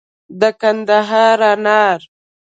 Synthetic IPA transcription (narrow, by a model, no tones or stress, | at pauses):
d̪əkand̪aɦɑɾɑnɑɾ